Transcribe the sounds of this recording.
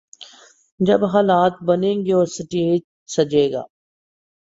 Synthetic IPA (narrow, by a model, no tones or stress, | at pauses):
d͡ʒɐbɦaːlaːt̪̚bɐnẽːŋɡioːsəʈeː | sɐd͡ʒeːɡa̰ː